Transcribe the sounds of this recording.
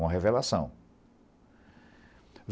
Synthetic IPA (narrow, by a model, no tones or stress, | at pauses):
ũmɐɦevelasɐ̃w̃ | v